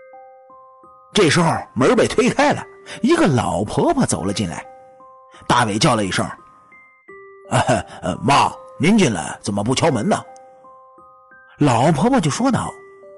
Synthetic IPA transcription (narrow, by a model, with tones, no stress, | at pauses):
ʈ͡ʂɤ˥˩ʂɻ̩˧˥xo˥˧˩mə˧˥pe˨˩ɪt̪ʰwe˥ɪkʰa˥ɪlə̰˨i˧˥ɡə˧lɑ˨˩ʊpʰɤ˧˥pʰa˥˩t͡so˨˩ʊlə˦t͡ɕi˥˩nla̰˧˥ɪ | t̪a˥˩we˧˩ɪt͡ɕjɑ˥˩ʊlə˩i˧˨˩ʂə̰˥˩˧ | mɑ̰˥˩ni˧˥nt͡ɕi˥˩nlə̰˩t͡sə˨˩nmə˦pu˥˩t͡ɕʰjɑ˥ʊmə˧˥nə˨ | lɑ˨˩ʊʊpʰɤ˧˥pʰa˧˩t͡ɕjo˥˧ʊʂwɔ˥d̪ɑ˥˩ʊ